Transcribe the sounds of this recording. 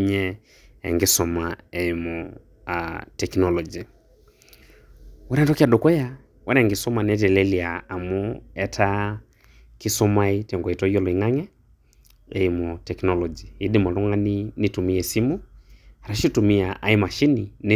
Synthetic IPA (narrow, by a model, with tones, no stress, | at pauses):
ɲɛ | ɛ̰˨ŋɡe˦sɔmaɛ˨imɔ | tɛknɔlɔ˨d͡ʒi˨ | wɔ˦ɾɛ˦tɔ˦ki˦a˨do˨kɔ˦ja˦ | wɛ˦ɾɛ˨ŋɡɪ˨sɔ˦ma˨nɛtɛ˨lɛliaː˨mɔ˦ɛ˦tʰa˦ | ki˦sɔ˦ma˦i˦tɔ˨ŋɡɔ˨i˨tɔ˦jɔ˦lɔ˨i˨ŋa˦ŋɛ˦ | ɛ˨imɔ˨tɛ˨knɔlɔ˨d͡ʒi˨i˦di˦mɔ˨lɔ˦ŋɡa˦ni˦nitu˨mi˦ɛ˨si˦mu˦a˨ɾa˨ʃi˦tu˨mi˦aʔa˦i˦ma˨ʃi˦ni˨ne